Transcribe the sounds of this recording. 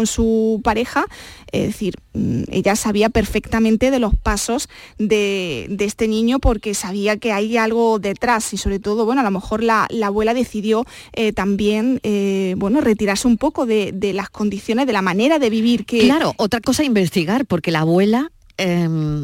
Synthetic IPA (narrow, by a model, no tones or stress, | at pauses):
nsupaɾe̞xaḛðeθiɾḛʎasaβiape̞ɾfe̞kt̪amẽnt̪eð̞e̞lo̞spaso̞s | d̪e̞d̪ee̞st̪e̞nĩɲopo̞ɾke̞saβ̞iake̞ajalɣo̞ðe̞t̪ɾasiso̞βɾet̪o̞ð̞oβwe̞no̞alo̞me̞xo̞ɾlalaːβwe̞laðe̞θiðjo̞ | et̪ambje̞nbwe̞no̞re̞t̪iɾaɾseumpo̞ko̞ðe̞d̪e̞lasko̞nd̪iθjoneðe̞lamãne̞ɾaðe̞β̞iβiɾkeklaɾoʔot̪ɾako̞saimbe̞st̪iɣaɾpo̞ɾke̞laβwe̞la | em